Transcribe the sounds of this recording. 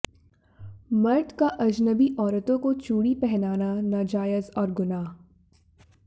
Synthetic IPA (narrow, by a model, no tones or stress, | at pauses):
mɐɾʈ̪kaʔɐd͡ʒnəbiʔɔːɾət̪õkot͡ʃuːɽipɛɦnaːnanaːd͡ʒaːjəzɔːɾɡʊnaːɦ